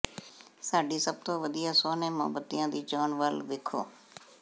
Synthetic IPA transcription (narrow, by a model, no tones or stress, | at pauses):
saːɖiːsəb̚t̪õːʋəd̪ijaːsoːneːmɔ̰ːbət̪ːijãːd̪iːt͡ʃoːnʋəlʋ̪ɪkʰo̰ː